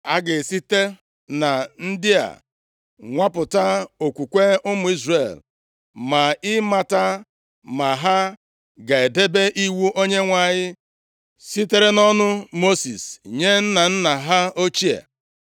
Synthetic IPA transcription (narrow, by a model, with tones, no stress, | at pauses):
a˦ɡɪ˨si˦te˦ | na˨n̩˦dɪ˦a̰˨ | ŋʷa˦pʊ˨ta˦o˨kʷu˨kʷe˦ʊ˦mʊ˨i˦zre˨l | ma˨ɪ˦ma˨ta˦ | ma˨ɦa˦ | ɡa˨e˨de˦be˦ʔi˦wu˦ʔo˦ɲe˦ŋʷa˨ɲɪ˦ | si˦te˦ɾe˦nɔ˦nʊ˦mo˦si˨sɲe˦n̩˦na˨n̩˦na˨ɦa˦o˦t͡ʃi˦a̰˨